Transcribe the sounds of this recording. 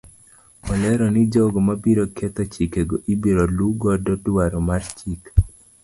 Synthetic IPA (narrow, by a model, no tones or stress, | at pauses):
ɔlɛɾɔnid͡ʒɔɡɔmabiɾoket̪ot͡ʃikeɡoʔibiɾoluɡɔdɔdwaɾɔmart͡ʃik